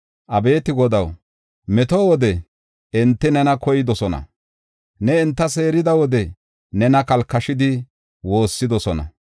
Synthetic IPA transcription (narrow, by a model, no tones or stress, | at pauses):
ʔɐbe̞ːt̪ɪɡɔd̪ɐw | mɛt̪owɔd̪ɛ | ɪnt̪ːɪnɛnɐkɔjɪd̪ɔsɔnɐ̰ | nɛɪnt̪ːɐse̞ːɾɪd̪ɐwɔd̪ɛ | nɛnɐkɐlkːɐʃɪd̪ɪ | wo̞ːsːɪd̪ɔsɔnɐ̰